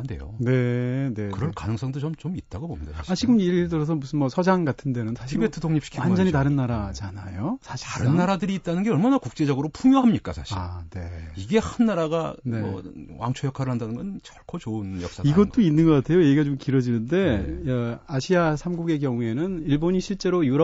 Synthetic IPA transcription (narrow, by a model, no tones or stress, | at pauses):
ndḛjo̰ne̞ne̞kɯɾʌnkanɯŋs͈ʌŋdot͡ɕomt͡ɕomit̚t͈aɡobomɲid̥aat͡ɕiɡɯmiiɭtɯɾʌs̬ʰʌmusʰɯnmʌsʰʌd͡ʑaŋɡatʰɯnde̞nɯnsʰaɕʰibetʰɯtʰoŋɲip̚ɕi̥kʰiwannd͡ʑʌɲitaɾɯnːaɾad͡ʑanajosʰaɕʰiaɾɯnːaɾadɯɾiːt̚t͈anɯnɡeʌɭmanakuk̚t͡ɕ͈e̞d͡ʑʌɡɯɾopʰuŋjoɦamɲik͈a̰sʰa̰ɕʰaḭne̞iɡe̞hanːaɾaɡaneʌ̰wʔa̰ŋt͡ɕʰojʌkʰaɾɯɭhandanɯnɡʌnt͡ɕʌɭkʰot͡ɕounjʌks͈aiɡʌtt͈oinːɯnɡʌk͈atʰe̞jojeɡiɡat͡ɕomkiɾʌd͡ʑinɯnde̞ | aɕʰiasʰamɡuɡe̞kjʌŋue̞nɯniɭboɲiɕʰiɭt͡ɕ͈e̞ɾojuɾʌ